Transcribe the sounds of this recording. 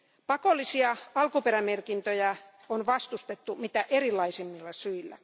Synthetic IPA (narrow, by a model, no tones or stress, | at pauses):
pɑkolːˑisiɑɑlkuperæmerkint̪øjæ | onʋɑst̪ust̪et̪ːumit̪æʔerilːɑisimːilːɑsyilːæ̰